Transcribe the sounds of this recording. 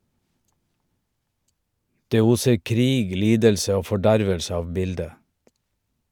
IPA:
ˈdeː ˈuːsəɾ ˈkɾiːɡ ˈliːdəlsə ˈoː fɔˈɖæɾʋəlsə ˈɑːʋ ˈbɪldə

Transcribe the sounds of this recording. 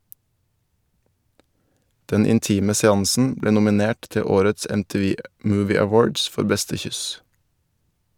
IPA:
ˈdɛn ɪnˈtiːmə sɛˈɑŋsn̩ ˈbleː nʊmɪˈneːʈ ˈtɛ ˈoːɾəts ɛmtiːˈʋiː ˈmʉːˌʋiː æˈwoːɖs ˈfɔɾ ˈbɛstə ˈçʏs

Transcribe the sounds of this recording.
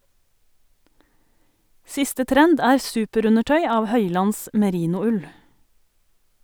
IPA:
ˈsɪstə ˈtɾɛnd ˈæːɾ ˈsʉːpəˌɾʉnəˌʈœʏ ˈɑːʋ ˈhœʏlɑns mɛˈɾiːnʊˌʉl

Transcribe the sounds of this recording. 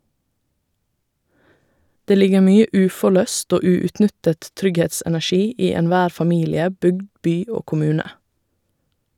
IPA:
ˈdeː ˈlɪɡə ˈmyːə ˈʉːfɔˌlœst ˈoː ˈʉːʉtˌnʏtət ˈtɾʏɡhɛtsɛnæˌʃiː ˈiː ɛnˈʋæːɾ fɑˈmiːlɪə ˈbʏɡd ˈbyː ˈoː kʊˈmʉːnə

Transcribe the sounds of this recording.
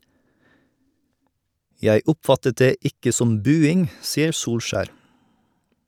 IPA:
ˈjæɪ ˈʊpˌfɑtət ˈdeː ˈɪkə ˈsɔm ˈbʉːɪŋ ˈsiːəɾ ˈsuːlˌʃæːɾ

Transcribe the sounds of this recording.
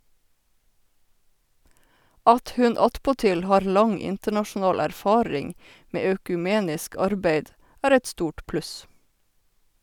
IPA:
ˈɑt ˈhʉn ˈɑtpɔˌtɪl ˈhɑːɹ ˈlɑŋ ˈɪntəɳɑʃn̩ˌɑːl æɾˈfɑːɹɪŋ ˈmeː œkʉˈmeːnɪsk ˈɑɾbæɪd ˈæːɾ ˈɛt ˈstuːʈ ˈplʉs

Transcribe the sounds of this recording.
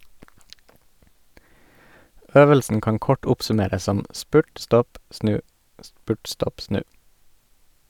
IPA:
ˈøːʋəlsn̩ ˈkɑːn ˈkɔʈ ˈʊpsʉˌmeːɾəs ˈsɔm ˈspʉʈ ˈstɔp ˈsnʉː ˈspʉːʈ ˈstɔp ˈsnʉː

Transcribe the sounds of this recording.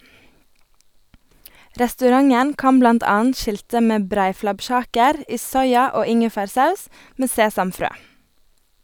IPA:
ɾɛstʉˈɾɑŋən ˈkɑm ˈblɑnt ˈɑːn̩t ˈʃɪltə ˈmeː ˈbɾæɪflɑbˌʃɑːkəɾ ˈiː ˈsɔʏɑ ˈoː ˈɪŋəfæːɾˌsɑʉs ˈmeː ˈseːsɑmˌfɾøː

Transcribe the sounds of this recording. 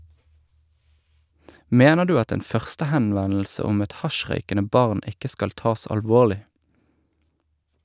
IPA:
ˈmeːnə ˈdʉː ˈɑt ˈeːn ˈfœʁstəhɛnˌʋɛnl̩sə ˈʊm ˈɛt ˈhɑˌʃʁœʏkənə ˈbɑʁn ˈɪkə ˈskɑl ˈtɑːs ɑlˈʋoːlɪ

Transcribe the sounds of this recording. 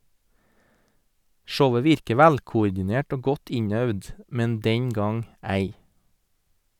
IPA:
ˈʃəʊə ˈʋɪɾkə ˈʋælkʊʊɾdɪˌneːʈ ˈoː ˈɡɔt ˈɪɲœʋd ˈmɛn ˈdɛŋ ˈɡɑŋ ˈæɪ

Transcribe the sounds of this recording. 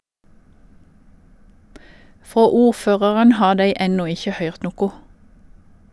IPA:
ˈfoː ˈuːˌføːʁɑʁən ˈhɑː ˈdeɪ ˈɛnuː ˈɪçə ˈhœʏʁt ˈnuːkʊ

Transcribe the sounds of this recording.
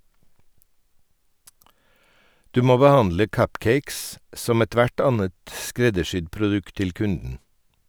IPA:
ˈdʉː ˈmoː bəˈhɑndlə ˈkʌpˌkeɪks ˈsɔm ɛˈtʋæʈ ˈɑnət ˈskɾɛdəˌʃʏd pɾʊˈdʉkt ˈtɪl ˈkʉndn̩

